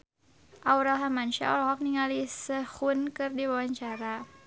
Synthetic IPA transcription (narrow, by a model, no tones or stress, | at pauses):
ʔawɾalɦamanʃa̰a̰ɾɦɔk̚niŋalisəhunkɨrdiwawaɲt͡ʃaɾa